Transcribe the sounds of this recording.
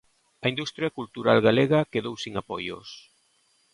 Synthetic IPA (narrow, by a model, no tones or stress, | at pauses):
ɐind̪ust̪ɾjakult̪uɾa̰lɣaleɣɐkeðowsiŋapojo̰s